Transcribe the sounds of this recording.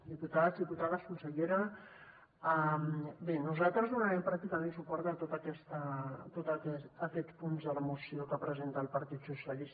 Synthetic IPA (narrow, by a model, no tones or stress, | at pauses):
d̪iput̪aðzðiput̪aðəskunsəʎeɾə | ambenuzalˠt̪ɾəzðunaɾɛmpɾak̚t̪ikəmẽnsupɔɾt̪ət̪ot̪əkɛst̪ət̪ot̪əkɛːkɛspunzðələmusiokəpɾəzent̪əːlˠpəɾt̪it̪susjalis